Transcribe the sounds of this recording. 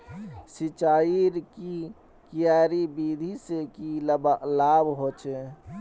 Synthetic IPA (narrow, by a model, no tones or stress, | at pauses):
sit͡ʃaːiɾki | kijaːɾibiːd̪ʱisekiləbəlaːbɦoːt͡ʃe